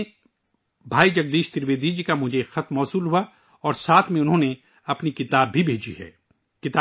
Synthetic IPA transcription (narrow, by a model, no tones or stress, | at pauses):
bʱaːid͡ʒɐɡ̚d̪iːʃt̪ɪɾʋeːd̪id͡ʒikamʊd͡ʒʱexɐt̪ʰmɔːsuːlɦua | ɔːɾsaːt̪ʰmẽʊnɦõːne | ɐpnikɪt̪aːbːʱibʱeːd͡ʒḭɦɛ̰ː | kɪt̪ː